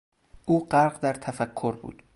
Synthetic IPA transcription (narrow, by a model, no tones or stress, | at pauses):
ʔuːɢæɾɢd̪æɾt̪ʰæfækʰːoɾbṵːd̪̥